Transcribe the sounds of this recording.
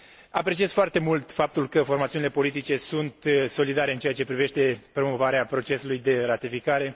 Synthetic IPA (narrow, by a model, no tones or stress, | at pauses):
apɾe̞t͡ʃiez̥foart̪e̞mult̪fap̚t̪ulkəfo̞rmat̪siunile̞po̞lit̪it͡ʃe̞sunt̪so̞lid̪aɾeɨnt͡ʃeat͡ʃe̞pɾive̞ʃt̪e̞pɾo̞mo̞vaɾeapɾo̞t͡ʃe̞sulujd̪e̞rat̪ifikaɾe̞